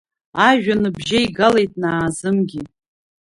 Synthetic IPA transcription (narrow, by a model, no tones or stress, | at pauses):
aʒᶣanɨbʒaiɡalejtʼnaːzɨmɡʲi